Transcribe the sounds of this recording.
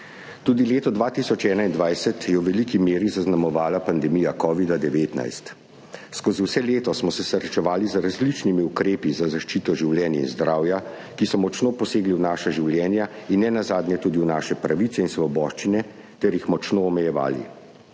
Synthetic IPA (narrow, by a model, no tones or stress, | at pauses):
t̪uːd̪ileːt̪ɔd̪ʋaːt̪isɔt͡ʃɛːnaind̪ʋajsɛt̪jɛwʋɛlikimeːɾizaznamɔʋaːlapand̪ɛmijakɔːʋid̪ad̪ɛʋeːt̪na̰jst̪ | skoːziwsɛleːt̪ɔsmɔsɛsəɾɛt͡ʃɛʋaːlizɾazlit͡ʃnimiukɾeːpizazaʃt͡ʃiːt̪ɔʒiwljɛːnjaḭnzd̪ɾaːwja | kisɔmɔt͡ʃnoːpɔseːɡliwnaːʃaʒiwljɛːnjainːɛnazaːd̪njɛt̪uːd̪iwnaːʃɛpɾaʋit̪sɛinsʋɔbɔːʃt͡ʃinɛ | t̪ɛɾjixmɔt͡ʃnoːmɛjɛʋa̰ːlḭ